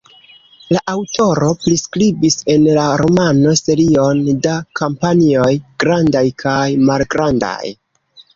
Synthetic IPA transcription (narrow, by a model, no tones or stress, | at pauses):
laʔawtʰo̞ɾo̞pɾiskɾibise̞nlaɾo̞mano̞se̞ɾio̞ndakampanio̞jɡ̥ɾandajkʰajmalɡɾanda̰j